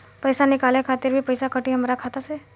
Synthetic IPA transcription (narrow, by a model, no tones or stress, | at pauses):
pəjsanɪkaːlekʰaːt̪ɪɾbʱipəjsakəʈiɦəmɾakʰat̪ase